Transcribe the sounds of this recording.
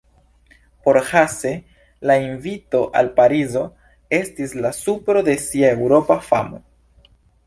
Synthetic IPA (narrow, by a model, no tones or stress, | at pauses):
po̞ɾhase̞ | lainvito̞ʔa̰lpaɾizo̞ | e̞stislasupɾo̞de̞siae̞wɾo̞pafamo